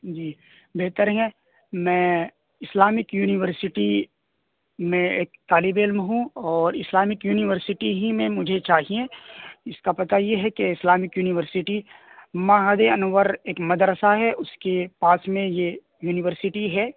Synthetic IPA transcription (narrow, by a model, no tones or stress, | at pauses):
d͡ʒiː | beːt̪əɾɦɛ̃ | mɛ̃ː | ɪslaːmɪkjuːnɪʋəɾsɪʈi | mẽeːk̚t̪aːlɪbeːlmɦũɔːɾɪslaːmɪkjuːnɪʋəɾsɪʈiɦimẽmʊd͡ʒʱet͡ʃaːɦiẽɪskapɐt̪ajeɦɛkeɪslaːmɪkjuːnɪʋəɾsɪʈi | maːɦəd̪eɐnwəɾeːkmɐd̪ɾəsaɦɛʔʊskepaːsmẽje | juːnɪʋəɾsɪʈiɦɛː